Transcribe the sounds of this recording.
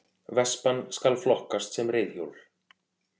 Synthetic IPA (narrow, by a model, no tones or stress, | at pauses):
vɛspanskalflɔhkast̪sɛmrɪjðçjowlɾ̥